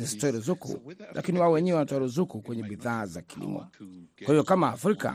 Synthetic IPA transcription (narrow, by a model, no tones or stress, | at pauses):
istɔiɾuzukṵlʔa̰kiniwaɔwɛɲɛwɛwnatwaɾuzukukwɛɲɛɓiðaːzakilḭmɔ̰kwahiɔkamaːfɾika̰